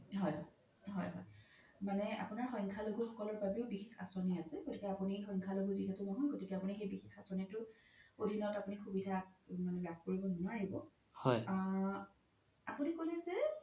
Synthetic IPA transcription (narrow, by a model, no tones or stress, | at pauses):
ɦɔjɔ | ɦɔ̰jɦɔ̰j | manɛa̰pʊnaɹxɔjŋkʰaloɡuxɔkɔlɔɹbabiʊbixexa̰soniasɛɡotikɛapunixɔjŋkʰaloɡuziɦɛtʊnɔɦɔjɡotikɛapunixejbixexasonitʊodʱinɔtapunixubidʱamanɛlab̚ʱkoɹibɔnɔnuaɦibɔ̰ | hɔjaɹ | apunikolɛzɛ